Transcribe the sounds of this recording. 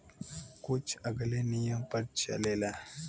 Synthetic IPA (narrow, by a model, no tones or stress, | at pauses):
kut͡ʃaɡɐlenijəmpɐɾt͡ʃa̰lela